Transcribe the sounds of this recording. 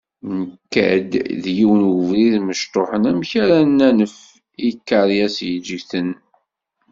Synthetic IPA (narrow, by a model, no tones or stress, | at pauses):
nəkːæ̰d̪ðjiwənəvɾiðməʃt̪ˤoħənæmçaɾænːænəf | ikːɑɾˤjæsjəd͡ʒəɡθən